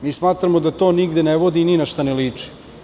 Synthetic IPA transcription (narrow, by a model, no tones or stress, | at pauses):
miːsmaːt̪ɾamod̪at̪oːniɡd̪eneʋod̪ininaʃt̪aneliːt͡ʂi̥